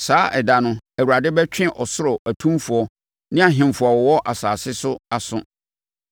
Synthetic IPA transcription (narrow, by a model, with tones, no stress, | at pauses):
saː˨˦ʔɛ˨da˨nʊ̃˦æ˨wu˨ɾa˨dɪ˦bɛ˦t͡ɕᶣɪ̃˦ʔɔ˨sʊ˦ɾɔ˨ʔæ˨tʰũ˦mfʊ˨ɔ˦ | nɪ̃˦a˨ɦɪ̃˨m˨fʊ˨ɔ˨wɔ˨wɔ˦ʔa˨saː˨sɪ˦sʊ˦a˨sʊ̰̃˦